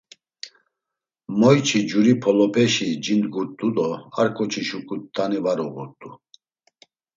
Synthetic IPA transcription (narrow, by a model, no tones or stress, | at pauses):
mɔjt͡ʃʰid͡ʒuɾipʰɔlɔpʰɛʃid͡ʒind̪ɡuɾt̪ʼud̪ɔaɾkʼɔt͡ʃʰiʃukʰʼut̪ʰʼːanivaɾɔɣuɾt̪ʼu